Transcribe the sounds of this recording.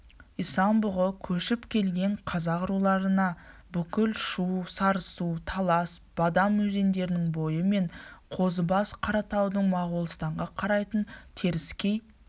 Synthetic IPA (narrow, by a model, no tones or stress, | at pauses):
ijsɑnbʊʁəkʲʰɵʃɪpkʲʰe̞lɡʲe̞ɴqʰɑzɑʁʊɾulˠɑɾənɑbʏkʲɪlʃusɑɾəsut̪ʰɑlˠɑsb̥ɑd̪ɑmːɵze̞nd̪e̞ɾɪnɪŋbo̞jəme̞ɴqʰo̞zəbɑsqʰɑɾɑt̪ɑwd̪əɴmɑʁulˠəst̪ɑɴʁɑqʰɑɾɑjt̪ənt̪ʰe̞ɾɪskʲe̞j